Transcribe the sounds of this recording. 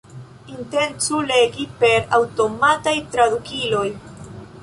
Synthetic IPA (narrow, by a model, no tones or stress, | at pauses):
inte̞nt͡sule̞ɡipe̞ɾawto̞matajtɾadukilo̞j